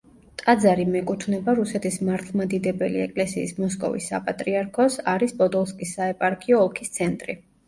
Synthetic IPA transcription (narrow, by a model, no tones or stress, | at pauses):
t̪ʼad̪zaɾimɛkʼut̪ʰvnɛbaɾusɛt̪ʰismaɾt̪ʰlˠmad̪id̪ɛbɛliɛ̰kʼlɛsiːsmɔs̬kʼɔ̰vḭsːa̰pʼat̪ʼɾiaɾkʰɔsaɾispʼɔd̪ɔlˠskʼisːaɛpʼaɾkʰʼiɔːkʰist̪sʰɛnt̪ʼɾḭ